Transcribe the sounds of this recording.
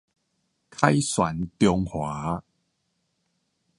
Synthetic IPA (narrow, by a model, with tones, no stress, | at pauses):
kʰa˦jswa˨˦nt̪jɔ˧ŋhwaː˨˦